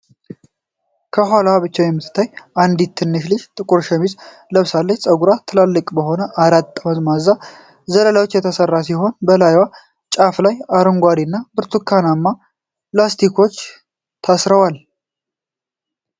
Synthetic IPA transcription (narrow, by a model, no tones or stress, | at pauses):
kʰəɦʷalaβɨt͡ʃːawjɛmːɨt̪ʰːɨ̥t̪ʰːajʔand̪it̪ʰːɨnːɨʃlɨʃt̪ʼɨkʼuɾʃɛmiz | ləβsalːət͡ʃsʼəɡuɾat̪ʰːɨlalːɨkʼbəɦo̞nəʔaɾat̪ːəməzmazːa | zələlawot͡ʃːjɛt̪ʰəsərːasiɦo̞nbəlajwa | t͡ʃʼaflajaɾɨŋɡʷaɾinːabɨɾt̪ʰukʰːanamːa | plast̪ʰikʰo̞t͡ʃː | t̪ʰasɾəwal